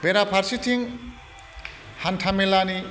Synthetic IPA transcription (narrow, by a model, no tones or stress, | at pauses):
beɾapʰaɾsitʰiŋ | hantʰamelani